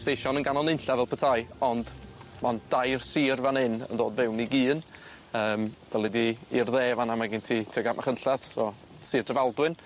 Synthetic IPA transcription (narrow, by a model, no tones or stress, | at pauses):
stejʃɔnənɡanɔnɪnɬavɛlpʰətʰajɔndmand̥ajrsiːrvanɪnə̰ndoːdvɪwniɡiːn | əːmv̥ɛlˠidiːrðeːvanamaɡɪntʰitʰɛɡamʔaχənɬaðsɔ | siːrdəvalˠdwɪn